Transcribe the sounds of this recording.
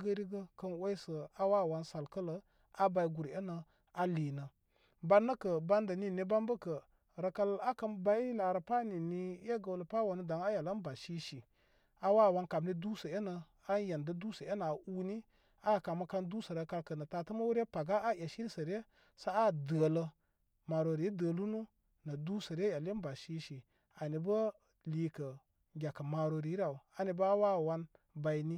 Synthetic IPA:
ɡə˦ɾi˦ɡə˦kə˦nwa˦i˦sə˨a˦wa˦˨wa˦nsa˨lkə˦lə˨ | a˦ba˨i˦ɡu˨ɾe˦nə˨ | a˦li˨nə˨ | ba˦nːə˦kə˨ba˦ndə˨ni˦˨ni˦ba˦mbə˦kə˨ | ɾə˨kə˦la˦kə˦nba˦i˦la˨ɾə˨pa˦ni˨ni˦je˦ɡə˨wlə˨pa˦wa˨nə˦da˨ŋa˦ja˨lə˦nba˨ʃi˦ʃi˨ | a˦wa˦˨wa˦nka˨bni˦du˦sə˨e˦nə˨ | a˦je˨ndə˦du˦sə˨e˦na˨u˦ni˦ | a˦˨ka˨mə˦ka˦ndu˦sə˨ɾe˦ka˧lkə˨nə˨ta˨tə˦mə˦wu˦ɾe˦pa˨ɡa˦a˦je˨ʃi˦ɾsə˨ɾe˦ | sa˦a˦˨də˨lə˦ | ma˨ɾo˨ɾi˨˦də˨lu˦nu˦ | nə˨du˦sə˨ɾe˦ja˨li˦n˦ba˨ʃi˦ʃi˨ | a˨ni˨bə˦ | li˦kə˨ | ɡʲa˨kə˨ma˨ɾo˨ɾi˨˦ɾa˨u˨a˨ni˨bə˦a˦wa˦˨wa˦n | ba˨jni˦

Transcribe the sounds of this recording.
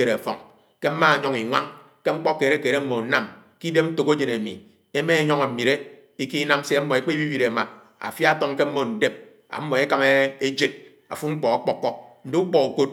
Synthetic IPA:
e˨ɾe˨fɔ̰˨ŋ | ke˦m̩˦ma˦a˨ɲo˦ŋi˨ŋʷa̰˦ŋ | ke˦ŋ͡m̩˦k͡pɔ˦kːe˨ɾe˦ke˨ɾe˦m̩˦mo˨˦na˦m | ki˦de˦mn̩˦to˨ko˦d͡ʒe˨ne˨mḭ˨ | e˦me˦ɲo˦ŋa˨m̩˨mi˨ɾe˦ | i˦ki˦na˦m˦se˦a˦m̩˦mɔ˨e˨k͡pe˦i˦bi˦bi˨ɾe˨ma˨ | a̰˨fja˦tɔ˦ŋke˦m̩˦mo˨n̩˨de˦p̚ | a̰˨m̩˦mːo˨e˦ka˦me˦e˦d͡ʒe˦t̚ | a̰˨fu˦ŋ͡m̩˦k͡pɔ˨a˦k͡pɔ˦k͡pːɔ˦k̚n̩˨de˦u˦k͡pɔ˨u˨ko˦t̚

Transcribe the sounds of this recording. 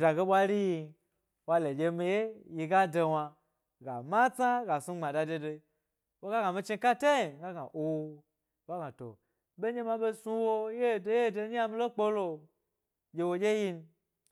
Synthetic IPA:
da˨ɡe˦ɓʷa˦ɾi˦ji˧ | wa˧le˨d͡ʒʲe˧mi˧je˦ji˧ɡa˦de˧wa˧ | ɡa̰˨ma˦t͡sa˦ɡa˨su˧˦ɡ͡ba˨da˨de˧de˧˦ | wo˦ɡa˦ɡa˨mi˧t͡ʃi˧ka˦te˦i˨ɡa˦ɡa̰˨ʔo˧˦ | wa˦ɡa˨to̰˨ | be˦ɲe˦ma˧ɓe˦su˧wo˦je˦˨do˦je˦˨de˧˦a˦mi˦lo˦k͡po˦lo˧ | d͡ʒʲe˧wo˧d͡ʒʲe˦ji˧n˧

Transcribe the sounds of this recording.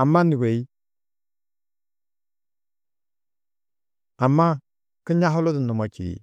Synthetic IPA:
a˨mːa˦ni˨ɡe˨i˦ | a˨mːa˦ | ki˦ɲa˦ɦʊ˦lo˦di˨nu˨ma˨t͡ʃḭ˨ɾḭ˨

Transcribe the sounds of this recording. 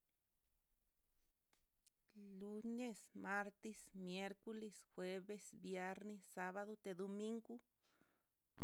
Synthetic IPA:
lu˧ne˦sma˦ɾt̪e˧smje˦ɾko˦le˧sxwe˦be˧sbje˦ɾne˧ssa˦βa˧ðo˧t̪e˨d̪o˧mi˦ŋɡu˦

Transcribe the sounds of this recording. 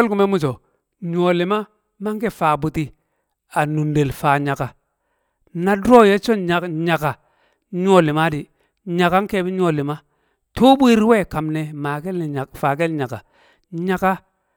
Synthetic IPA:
e˦lku˨me˦mu˦t͡ʃo˨ | ɲ˦o˨li˨ma˦ | ma˦ŋ˦ke˦faː˨bu˨ti˨ | a˨nu˨nde˨lfaː˨ɲa˨ka˨ | na˦dɾo˦je˦t͡ʃo˦a˨ɲa˨ka˨ | ɲ˦o˨li˨ma˦di˨ | ɲa˨ka˦ŋke˦˨bi˦ɲ˦o˨li˨ma˦ | to˦bu˦i˦ɾwe˦˨ka˨mne˨ma˨ke˦lfa˨k̬e˦lɲa˨ka˨ | ɲa˨ka˦

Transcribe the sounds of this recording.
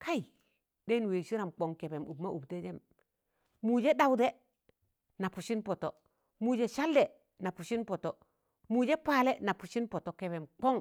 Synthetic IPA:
kʰa˦i˨ | de˦n˨weː˨ʃi˦ɾa˨mk͡po˨ŋke˨be˨mu˨bma˦ʔu˨bte˦d͡ʒe˦m | mu˨d͡ʒe˦ɗa˨wde˦ | na˨pu˨ʃi˦npo˨to˨ | mu˨d͡ʒe˨ʃa˦lde˨ | na˨pu˨ʃi˦npo˨to˨ | mu˨d͡ʒe˦paː˨le˦na˨pu˨ʃi˦npo˨to˨ke˨be˨mk͡po˦ŋ

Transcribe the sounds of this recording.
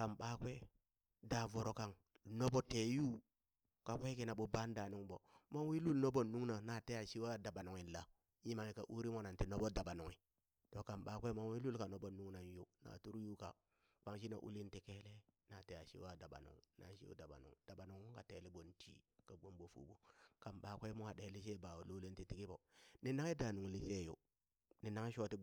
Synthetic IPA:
ka˨mɓa˦kwe˦ | da˨vo˨ɾo˨ka˨ŋ | no˦bo˦te˨ju˦ | ka˨ke˦ki˨na˨ɓo˦ba˦n˦da˨nu˦ŋbo˨mo˦ŋ˦wi˦lu˦lno˦bo˨nːu˦ŋna˨na˨te˦ja˨ʃi˦wa˦˨da˨ba˨no˨ŋi˨la˨ | ji˦ma˨ŋi˨ka˨ʔu˦ɾi˦mo˦na˨nti˨no˦bo˦da˨ba˨no˨ŋi˨ | to˨ka˨mɓa˨˦kʷe˦ma˨ŋ˦wi˦lu˦lka˨no˦bo˦nu˦ŋna˨n˦ju˦na̰˨tu˦ɾju˦ka̰˨ | k͡pa˦ŋʃ̬i˦na̰˨ʔṵ˦li˦nti˨ke˦le˦na˨te˦ja˨ʃḭ˦wa˦˨da˨ba̰˨no̰˨ŋ˨na̰˨˦ʃḭ˦o̰˦da˨ba̰˨no̰˨ŋ˨d̥a˨ba˨no˨ŋ˦ka˨te˨˦li˦bo˨ntʰḭ˦ka˨ɡ͡bo˦mbo˨fṵ˨bu˨ka˨mɓa˨kʷe˦mu˦a˨ɗe˨˦li˦se˦ba˨wo˨lo˦le˦nti˨ti˦ki˦bo˨ni˨na˦ŋe˦da˨nu˨ŋ˨li˦se˦˨jo̰˨ | ni˨na˦ŋ˦ʃo˦ti˦

